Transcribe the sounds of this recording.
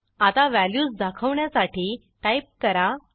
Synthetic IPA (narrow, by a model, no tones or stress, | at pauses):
at̪aʋæljuːsd̪akʰəʋɳjasaʈiː | ʈajp̚kəɾa